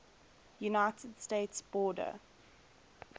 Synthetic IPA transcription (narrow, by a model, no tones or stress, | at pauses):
junaɪtʰədsteːtsb̥ɔːdə̰